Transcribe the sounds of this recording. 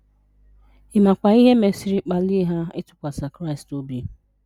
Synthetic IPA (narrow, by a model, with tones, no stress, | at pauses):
ɪ˨ma˨kʷa˨i˦ɦe˦me˨si˨ɾi˨˦k͡pa˨li˦ɦa˦ɪ˦tʊ̥˨kʷa˨sa˨kɾa˦ɪ˨sto˦bi˨